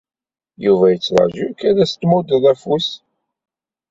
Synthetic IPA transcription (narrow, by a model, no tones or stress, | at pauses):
juvæjət͡sːɾˤɑ̰ʒukæɾæst̪mʊd̪əðˤæfus